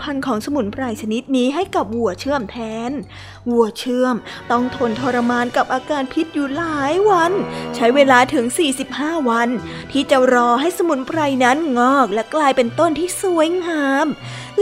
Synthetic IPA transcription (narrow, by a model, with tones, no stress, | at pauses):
pʰa˧nkʰɔː˩˦ŋsa˧mu˨˩˦npɾa˧jt͡ɕʰa˧ni˦˥t̪̚niː˦˥ɦa˥˩jka˨˩p̚wu˨˩ɐət͡ɕʰɯ˥˩əmt̪ʰɛː˨˧˥n | wu˨˩ət͡ɕʰɯ˥˩əmt̪ɔ˥˩ŋt̪ʰo˧nt̪ʰoː˧ɾa˧maː˧nka˨˩p̚ʔaː˧kaː˧npʰi˦˥t̪̚juː˨˩laː˨˩˦jwa˧nt͡ɕʰa˦˥jweː˧laː˧t̪ʰɯ˩˦ŋsiː˨˩si˨˩p̚haː˥˩wa˧n | t̪ʰiː˥˩t͡ɕa˨˩ɾɔː˧ɦa˥˩jsa˧mu˨˩˦npɾa˧jna˦˥nŋɔː˥˩k̚lɛ˦˥klaː˧jpe˧nt̪o˥˩nt̪ʰiː˥˩su˩˦əjŋaː˨˧˦m